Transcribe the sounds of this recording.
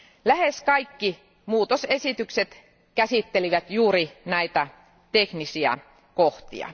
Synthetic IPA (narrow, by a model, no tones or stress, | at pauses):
læheskɑikːi | muːt̪osesit̪ykset̪ | kæsit̪ːeliʋæt̪juːrinæit̪æ | t̪eknisiæ̰ | koht̪ḭɑ̰